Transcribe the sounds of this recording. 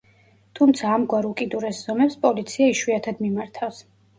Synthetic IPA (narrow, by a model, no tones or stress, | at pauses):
t̪ʰumt̪sʰaːmɡwaɾukʼid̪uɾɛsz̥ɔmɛpspʼɔlit̪sʰiaiʃwiat̪ʰad̪mimaɾt̪ʰafs